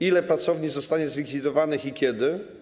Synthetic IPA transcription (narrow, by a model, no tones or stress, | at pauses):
ilɛpɾat̪sɔvɲizɔst̪aɲɛzlʲikfʲid̪ɔvanɘxikʲɛd̪ɘ